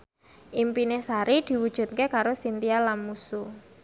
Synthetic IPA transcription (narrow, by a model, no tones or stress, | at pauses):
ʔimpinesaɾid̪̥i̤wud̥ʒ̥ṳt̪̚kekaɾosint̪ialanmusu